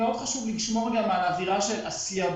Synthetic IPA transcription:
eo̞d̪χaʃuvliʃmo̞ʁɡamaaaːviʁaʃela̰sia

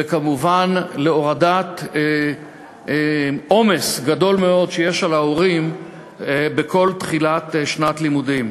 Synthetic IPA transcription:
vekamuvanleo̞ʁadat̪ | ʔo̞me̞sɡado̞lmeo̞dʃeje̞ʃalaoʁim | beko̞lt̪χilat̪ʃnat̪limudim

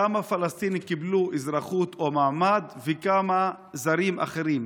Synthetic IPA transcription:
amafalast̪inikibluʔizɾaχut̪omaːmad̪vekama | zaɾimʔa̰χeɾim

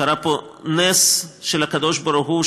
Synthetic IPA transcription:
aɾaponesʃelhakad̪oʃbaɾuxu

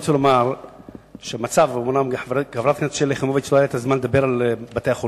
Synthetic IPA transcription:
t͡selomaʁ | ʃemat͡savmunamħɡħavɾat̪̚knʃeleχemovit͡ʃloajat̪ʰazmanled̪abeɾalbat̪ejaχo

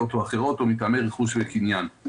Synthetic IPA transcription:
t̪ʰoaχeʁɔt̪ɔmit̪amɛʁiχusvɛkʰinjan

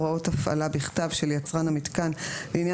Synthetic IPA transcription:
ʁao̞thafa̰labiχtavʃeljat͡sʁanhamit̪kanleinja

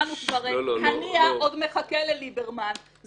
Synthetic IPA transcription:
nukvaʁihaniaʔodmeχakelelibeʁman | z

